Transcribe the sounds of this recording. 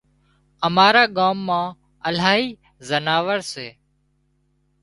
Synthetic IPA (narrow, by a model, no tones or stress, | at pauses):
əmaːɾaːɠaːmːãː | əlaːɦiː | zənaːʋəɾseː